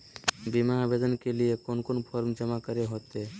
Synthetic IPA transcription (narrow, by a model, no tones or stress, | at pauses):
bimabed̪ənkeliekonkonpʰɔɾmd͡ʒəmakəɾeɦot̪e